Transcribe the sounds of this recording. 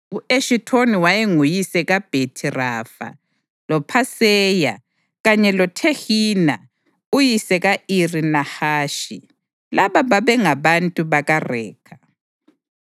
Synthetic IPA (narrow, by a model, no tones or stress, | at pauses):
ueʃitʰoniwajeŋujisɛɣab̥ʱetʰirafa̰ | lɔpʰasɛːja̰ | ɣaɲɛlɔtʰexiːna̰ | ujisɛɣairinahaːʃḭ | laβaβaβɛŋaβantʼuβaɣarɛ̰ːkʰa